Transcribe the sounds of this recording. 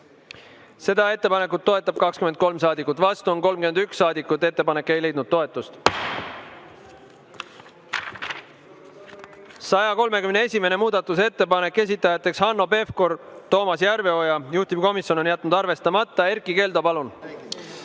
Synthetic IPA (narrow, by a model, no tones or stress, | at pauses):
se̞d̪ɑe̞t̪ːe̞pɑne̞kut̪ːo̞e̞t̪ːˑɑb̥̚kɑkskymend̪̚ko̞lmsɑːd̪ikːˑut̪ːˑvɑst̪uonko̞lmkyend̪yksːɑːd̪ikːˑut̪ːˑe̞t̪ːe̞pɑne̞kːe̞jle̞jd̪nud̪̚t̪ːo̞e̞t̪ːˑust̪ | sɑjɑko̞lme̞kymnee̞sʲime̞ne̞muːd̪̥ɑt̪ːˑuse̞t̪ːe̞pɑne̞kːe̞s̬ʲit̪ːˑɑjɑt̪ːˑe̞kshɑnːo̞pe̞fko̞ɾt̪o̞ːmɑsjæɾve̞o̞jɑjuht̪ib̥ko̞misʲjo̞no̞njæt̪ːˑnud̪̥ɑrve̞st̪ɑmɑt̪ˑːɑe̞ɾkːˑike̞ːld̪ɑpɑlun